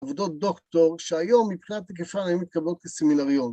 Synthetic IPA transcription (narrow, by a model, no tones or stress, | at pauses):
vod̪o̞t̚d̪o̞kt̪o̞ʁʃeajo̞mːipχinat̪ːek̬efanajumit̪̚kablo̞t̪̚keseminaʁijon